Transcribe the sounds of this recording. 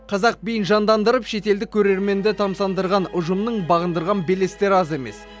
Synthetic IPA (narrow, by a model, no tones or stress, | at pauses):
qʰɑzɑq̚bijnʒɑnd̪ɑnd̪əɾəpʃe̞t̪e̞ld̪ɪkʲʰːɵɾe̞ɾme̞nd̪et̪ʰɑmsɑnd̪əɾʁɑnʊʒəmnəɴbɑʁənd̪əɾʁɑnbelest̪e̞ɾɑze̞me̞s